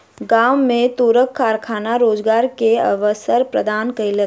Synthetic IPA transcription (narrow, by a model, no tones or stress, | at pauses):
ɡaːwmẽt̪uːɾəkʰːaːɾkʰaːnaɾoːd͡ʒɡaːɾkeɐ̰ʋəsəɾpɾɐd̪ʱaːnkɐɪlət̪